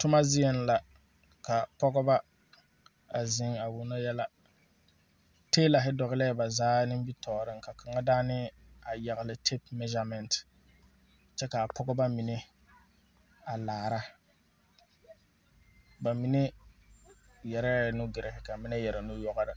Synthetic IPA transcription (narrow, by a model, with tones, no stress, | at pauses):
tʊ˦ma˦zɪ˦ɛ˦n˦la˨ | ka˨pɔ˦ɡɔ˦ba˦ | a˨zɪ˦ŋa˨wʊ˨na˦jɛ˦la˦ | teː˦la˨ɦɪ˦dɔ˨ɣɪ˦lɛ˦˨ba˨zaː˦nɪ˦m˦bi˦tʰɔː˨ɾɪ˦ŋka˨ka˨ŋa˦daː˦nɪ˦ | a˨ja˨ɣɪ˨lɪ˨tʰe˦p̚mɛ˦ʒa˨˦mɛ˨nt | t͡ʃɛ˦ka˨a˨pʰɔ˦ɡɔ˦ba˦mi˨ne˦ | a˨laː˨ɾa˦ | ba˨mi˨ne˦ | jɛ˨ɾɛ˦˨nʊ˦ɡɪ˨ɾɪ˨ɦɪ˨ka˨mɪ˦nɛ˦jɛ˨ɾa˨nʊ˦jɔ˦ɣa˦ɾɪ˨